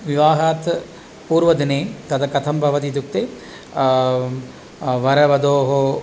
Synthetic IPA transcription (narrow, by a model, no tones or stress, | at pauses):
ʋiʋaːɦaːt̪ | puːɾʋɐd̪ineːt̪ɐd̪ɐkɐt̪ʰɐmbʱɐʋɐt̪̬it̪uk̚t̪eː | ʋɐɾɐʋɐd̪oːɦo